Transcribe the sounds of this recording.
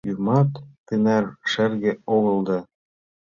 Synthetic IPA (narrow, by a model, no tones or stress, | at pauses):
jymɑt̪ːɘnærʃɘ̆rɣɘ̆oɣɤ̆lˠd̪ɑ